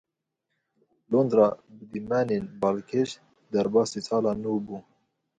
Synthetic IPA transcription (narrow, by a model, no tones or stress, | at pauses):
lond̪ɾɑːbɨd̪imæːneːnbɑːlkʰeʃ | d̪ɛɾbɑːsit͡sɑːlɑːnuːbuː